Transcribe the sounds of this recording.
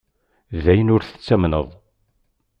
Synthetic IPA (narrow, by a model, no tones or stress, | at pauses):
ðæjənʊɾθə̥t͡sːæmnə̰ðˤ